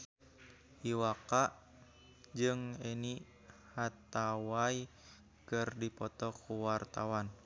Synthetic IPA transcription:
iwakaʔ | d͡ʒɨŋeni | hat̪awai | kɨrdipɔt̪ɔkuwart̪awan

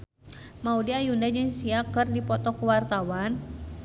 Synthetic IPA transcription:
maudiajundad͡ʒɨŋsiakɨrdipɔt̪ɔkəwart̪awan

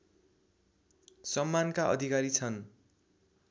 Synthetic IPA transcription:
sʌmːankaʔʌ̰d̪ʱikaɾit͡sʰʌn

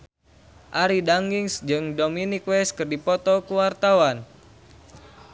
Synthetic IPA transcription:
ʔaɾidaŋɡiŋsd͡ʒɨŋdominikwɛskɨrdipɔt̪ɔkuwart̪awan

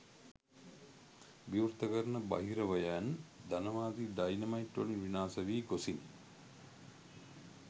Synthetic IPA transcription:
biuɾt̪əkəɾnəba̰ɦiɾəʋɐjand̪anəʋaːd̪iɖajnɐmaiʈʋɐlunʋinaːsəʋiːɡosin

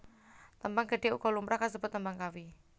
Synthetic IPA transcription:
t̪əmbaŋɡə̤ɖeṵkɔlumpɾahkasəbʊt̪ːəmbaŋkawi

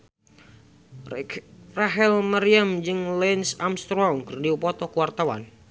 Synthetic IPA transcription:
raɦɛlmaɾiamd͡ʒɨŋlɛnsamst̪ɾɔŋkərdiupɔt̪ɔkuwart̪awa̰n

